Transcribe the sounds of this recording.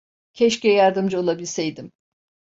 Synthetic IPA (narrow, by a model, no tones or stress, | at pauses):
cʰɛʃcɛjaɾd̪ɯmd͡ʒɯo̞lˠabilʲsejd̪im